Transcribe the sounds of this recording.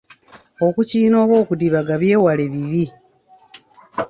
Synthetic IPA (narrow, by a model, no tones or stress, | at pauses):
o̞kuciːno̞ːβwo̞ːkudiβaɡaβje̞ːwaleβiβi